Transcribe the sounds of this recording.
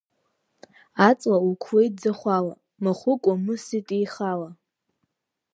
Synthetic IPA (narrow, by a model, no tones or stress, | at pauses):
at͡sʼlaukʷʰwejd͡zaχʷala̰ | mɨχʷʊkʷʼamɨsitʼijχala